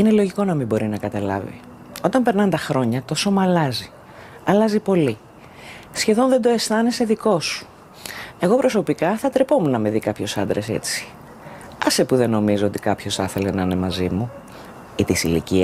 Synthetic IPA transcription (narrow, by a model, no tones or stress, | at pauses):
inelo̞ʝiko̞nɐmibo̞ɾinɐkɐt̪ɐlɐ̰vḭ | o̞t̪ɐmpe̞ɾnɐnt̪ɐxɾo̞ɲɐt̪o̞so̞mɐːlɐzi | ɐlɐzipo̞li | sçe̞ðo̞nðed̪o̞e̞sθɐnese̞ðiko̞su̥ | e̞ɣo̞pɾo̞so̞pikɐθɐt̪ɾepo̞munɐme̞ðikɐpço̞sɐnd̪ɾe̞se̞̰t͡si̥ | ɐsepuðe̞no̞mizoo̞t̪i̥kɐpço̞sθɐθe̞le̞nɐne̞mɐzimu | it̪isilḭci